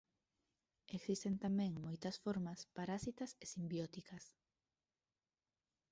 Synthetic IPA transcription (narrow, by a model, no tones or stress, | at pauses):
eksist̪ent̪amɛ̃ŋmojt̪ɐsfoɾmɐspaɾasit̪ɐsesimbjɔt̪ikɐs